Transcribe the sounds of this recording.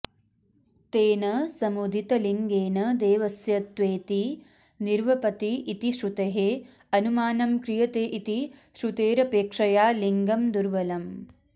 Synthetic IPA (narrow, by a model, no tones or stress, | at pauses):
t̪eːnɐsɐmud̪ʱit̪ɐliŋɡeːnɐd̪eːʋɐsjɐt̪ʋeːt̪i | niɾʋɐpɐt̪iːt̪iʃɾut̪ɐɦe | ɐnumaːnɐmkɾijɐt̪eːʔit̪iʃɾut̪eːɾɐpeːkʂɐjaːliŋɡɐmd̪uɾʋɐlɐm